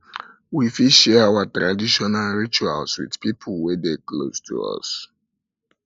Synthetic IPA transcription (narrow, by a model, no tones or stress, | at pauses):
wifiʃɛawatɹadiʃɔnalɹit͡ʃualswḭdpipʰulwɛdeklo̰stʰṵɔ̰s